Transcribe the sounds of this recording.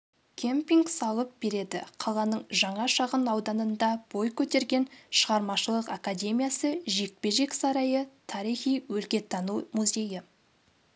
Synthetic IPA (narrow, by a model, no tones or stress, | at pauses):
kʲʰempiŋɡsɑlˠəp̚be̞ɾe̞d̪ɪ̰qʰɑlˠɑnəɴʒɑɴɑʃɑʁənɑwd̪ɑnənd̪ɑb̥o̞jkʲʰɵt̪e̞ɾɡʲe̞nʃəʁɑɾmɑʃəlˠəqakadʲe̞mʲijasəʒe̞k̚pe̞ʒe̞ksɑɾɑjət̪ʰɑɾijχijwɵlkʲe̞t̪ʰːɑnumuzʲe̞jɪ